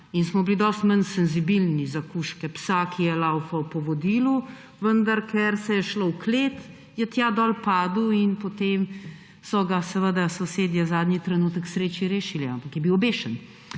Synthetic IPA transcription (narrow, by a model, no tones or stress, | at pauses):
insmɔblid̪ɔːst̪mənsɛnzibilnizakuːʃkɛpsakijɛlawfawpɔʋɔd̪iːlu | ʋənd̪aɾkʰɛɾsɛjɛʃlowkleːt̪ | jɛt̪jaːd̪ɔːlpaːd̪uinpot̪em | sɔɡasɛʋəd̪asoseːd̪jazaːd̪nɲit̪ɾɛnuːt̪əksɾeːt͡ʃiɾeːʃilia̰mpakjɛbiwbeːʃən